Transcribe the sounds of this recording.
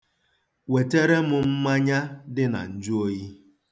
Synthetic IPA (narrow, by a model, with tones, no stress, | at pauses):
we˨te˦ɾe˦mʊ˦m̩˦ma˦ɲa˦dɪ˦na̰˨n̩˦d͡ʒʊ˦o˦ji˦